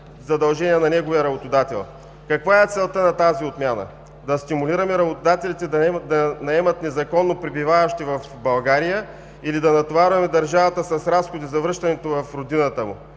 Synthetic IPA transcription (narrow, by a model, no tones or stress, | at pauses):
zɐd̪ɐlˠʒɛniɛnɐnɛɡovijəɾɐbot̪ʊd̪at̪ɛ̰lˠ | kɐkvaɛt̪sɛlˠt̪ənɐt̪aziot̪mʲjanə̰ | d̪ɐst̪imʊliɾɐmɛɾɐbot̪ʊd̪at̪ɛlit̪ɛd̪ɐd̪ɐnɐɛmɐt̪nɛzɐkɔnːopɾibivavɐʃt̪ivɐf | bɐlˠɡaɾijə | ilid̪ɐnɐt̪ovaɾvɐmɛd̪ɐɾʒavɐt̪əsɐsɾasxod̪izɐvɾɤʃt̪ɐnɛt̪ovɐfɾod̪inət̪əmʊ̰